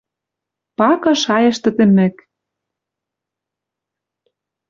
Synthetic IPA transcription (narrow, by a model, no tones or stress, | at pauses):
pɑkɤ̆ʃɑjɤ̆ʃt̪ɘ̆t̪ɘ̆mɘ̆k